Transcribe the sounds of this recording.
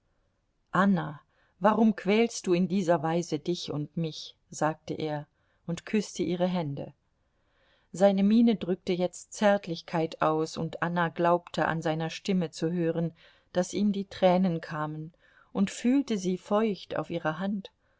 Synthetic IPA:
ʔana | vaʁʊmkv̥ɛːlst̚d̥uːɪndiːzɐvaɪzədɪçʊntmɪç | z̥aːk̚təʔeːɐ | ʔʊntkʰʏstəʔiːʁ̞əɦɛndə̰ | zaɪnəmiːnədʁʏk̚təjɛt͡stt͡sɛɐtʰlɪçkʰaɪtaʊsʊ̰ntʔanaɡlaʊptʰəʔa̰nzaɪnɐʃtɪmət͡suɦøːʁən | d̥asʔiːmdiːtʁ̥ɛːnənkʰaːmən | ʔʊntfyːltəziːfɔʏçta̰ʊfʔiːʁɐɦant

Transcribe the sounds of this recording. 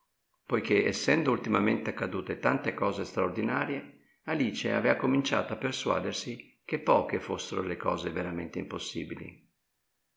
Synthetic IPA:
pojk̟eɛsːɛnd̪oult̪imament̪eakːad̪uːt̪et̪ant̪ekɔːzest̪ɾaord̪inaːɾje | aliːt͡ʃea̰vɛːakomint͡ʃa̰ːt̪oapːerswa̰ːd̪ersi | kepːɔːkefosːeɾo̰lekɔ̰ːzeveɾamḛnt̪eimposːḭːbilḭ

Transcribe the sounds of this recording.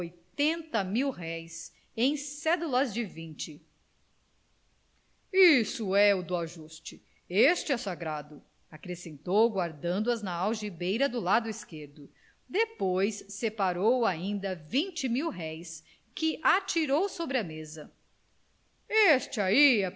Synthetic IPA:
ojt̪ẽnt̪ɐmiwɦɛjs | ẽj̃sɛd̪ulɐzd͡ʒɪvĩt͡ʃɪ | isʊɛʊd̪ʊaʒust͡ʃɪ | est͡ʃɪɛsaɡɾad̪ʊ | akɾesẽnt̪owɡwaɾd̪ɐ̃nd̪ʊɐznɐawʒibejɾɐd̪ʊlad̪ʊiskeɾd̪ʊ | d̪epojsːepaɾowaĩnd̪ɐvĩnt͡ʃɪmiwɦɛjs | kɪʔat͡ʃiɾowsobɾɪɐmezɐ | est͡ʃɪaiɛ

